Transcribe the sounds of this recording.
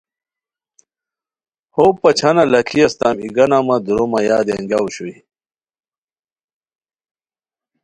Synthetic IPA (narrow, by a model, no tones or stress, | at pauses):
hopɐt͡ɕʰɐnɐlɐkʰiɐst̪amiɡɐnamɐd̪uɾomɐjaːd̪eŋɡawuɕui